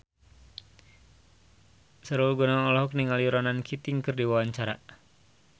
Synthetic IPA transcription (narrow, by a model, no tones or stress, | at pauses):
səɾɔlɡɔnaŋɔlɔɦɔk̚niŋaliuɾanankʰit̪iŋkɨrdiwawaɲt͡ʃaɾa